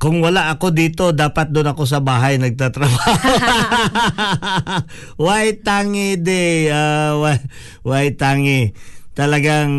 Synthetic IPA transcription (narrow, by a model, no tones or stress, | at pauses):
kʊŋwɐlaʔɐko̞d̪iːt̪o̞d̪aːpɐt̪̚d̪ʊnɐko̞s̬ɐbaːɦɐjnɐɡ̚t̪at̪ɾɐbaho | wajt̪aːŋɪd̪ɛawa | wajt̪aːŋɪt̪ɐlɐɡaŋ